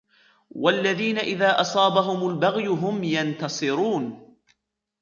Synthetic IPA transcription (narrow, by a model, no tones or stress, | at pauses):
walːaðiːnaʔɪðaːʔɑsˤɑːbaɦʊmʊlbaɣjʊɦʊmjant̪ɑsˤɨɾuːn